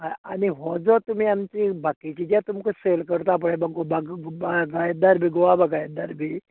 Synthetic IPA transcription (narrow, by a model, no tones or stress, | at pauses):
aa̰niɦɔd͡zɔt̪umiamt͡ɕibakit͡ɕid͡ʑat̪umkuselkəɾt̪ap̬əɽebaɡobaɡbaɡajd̪aɾbʱiɡoʋabaɡajd̪aɾbʱi